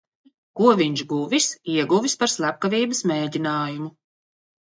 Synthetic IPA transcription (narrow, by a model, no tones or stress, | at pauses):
kuɔviɲʒɡuvisiɛɡuvispaɾslˠæp̚kavʲiːbəsmeːɟʲinaːjumu